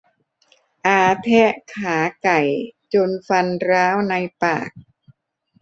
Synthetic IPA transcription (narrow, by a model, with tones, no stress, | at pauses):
ʔaː˧t̪ʰɛ˦˥ʔkʰaː˩˦ka˨˩jt͡ɕo˧nfa˧nɾaː˦˥wna˧jpa̰ː˨˩k̚